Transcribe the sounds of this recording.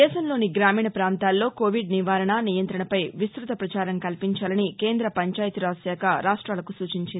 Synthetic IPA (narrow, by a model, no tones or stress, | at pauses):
d̪ɛːʃɐmlo̞ːniɡɾaːmiːɳɐpɾaːnt̪aːlːo̞ːkoːʋiɖniʋaːɾɐɳɐnijɐnt̪ɾɐɳɐpɐjʋist̪ɾut̪ɐpɾɐt͡ʃaːɾɐŋkɐlpiɲt͡ʃaːlɐnike̞ːnd̪ɾɐpɐɲt͡ʃaːjɐt̪iɾaːsjaːkɐɾaːʂʈɾaːlɐkusuːt͡ʃiɲt͡ʃind̪i